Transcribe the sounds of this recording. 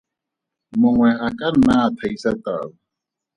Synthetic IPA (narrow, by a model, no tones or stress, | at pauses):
mɔŋwɛakʼanːat̪ʰaisat̪ʼa̰ːβa